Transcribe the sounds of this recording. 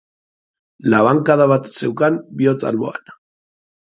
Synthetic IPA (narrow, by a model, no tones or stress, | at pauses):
laβaŋkaðaβat̪se̞wkambio̞t͡sa̰lβo̞̰a̰n